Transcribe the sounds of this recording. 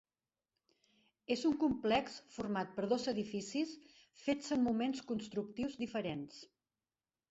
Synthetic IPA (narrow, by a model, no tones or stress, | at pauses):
ezuŋkumplɛksfuɾmat̪̚pəɾðozəðifisis | fet͡səmmumenskunst̪ɾuk̚t̪iwzd̪ifəɾens